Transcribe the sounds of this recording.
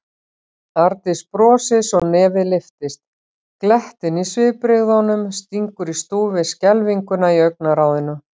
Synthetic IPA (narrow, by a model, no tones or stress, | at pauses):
aɾt̪ɪspɾɔːsɪsɔɣnɛːvɪlɪft̪ɪst̪ | klɛht̪ɪnisvɪːpɾɪɣðɔnʏmst̪iŋkʏɾist̪uːvɪscɛlviŋkʏnaiœɥk̚naɾaːwðɪnʏ